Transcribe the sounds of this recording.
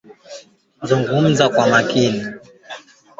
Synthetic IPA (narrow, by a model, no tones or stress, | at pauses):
zuŋɡum̩zakwamakini